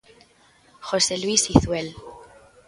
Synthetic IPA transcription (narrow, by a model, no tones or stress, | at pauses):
xo̞selwisiθwel